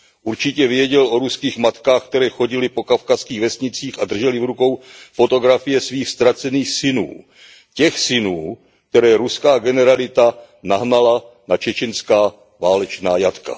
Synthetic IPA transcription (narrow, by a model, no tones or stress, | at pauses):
ʔuɾt͡ʃɪcɛvjɛɟɛlʔo̞ɾuskiːxmat̪kaːxk̚t̪ɛɾɛːxo̞ɟɪlɪpo̞kafkaskiːɣvɛsɲɪt͡siːxad̪r̩ʒɛlɪvɾuko̞wfo̞t̪o̞ɡɾafɪjɛsviːxst̪ɾat͡sɛniːxsɪnṵː | cɛxsɪnuː | k̚t̪ɛɾɛːɾuskaːɡɛnɛɾalɪt̪a | naɦnala | nat͡ʃɛt͡ʃɪnskaː | vaːlɛt͡ʃnaːjat̪ka̰